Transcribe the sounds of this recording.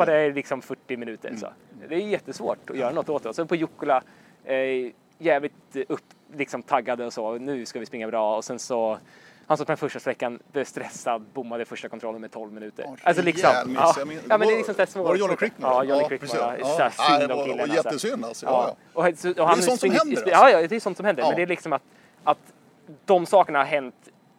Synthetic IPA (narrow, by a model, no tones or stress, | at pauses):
ad̪ɛlɪksɔmfœʈːɪmɪnʉ̟ːt̪ə̰ɾsɔ̰d̪ɛːjjɛt̪ːəsvo̰ːʈɔjœːɾanɔt̪ːoːt̪d̪ɔsɔpʰɔjʊkːʊla | jɛːvlɪt̪ɵpːlɪksɔmt̪ʰaɡːad̪əɔsɔnʉ̟ːskavɪspɾɪŋːabɾɑːɔsɛnsɔhansɔt̪p̪ʰɛnfœʂʈasɛkːanbɛvst̪ɾɛsːad̪bʊmːad̪əfœʂʈakʰɔnt̪ɾɔlːənmɛt̪ʰɔlvmɪnʉ̟ːt̪ə̰ɾʔalsɔlɪksɔmɑːjɑːmɛnd̪ɛɾlɪksɔmsæːsmoːkkɑːjɔnɪɾɪkmɔaɛæsnd̪ɔkʰɪlːənɛsəsyna̰lsɑː | ɔsɔɔhanːsɪjɑːjɑːd̪ɛjʏsɔnt̪sɔmhɛnd̪əɾmɛnd̪ɛæɭɪksɔmat̪ | ʔat̪ | d̪̥ɔmsɑːkəɳahaɾɦɛnt̪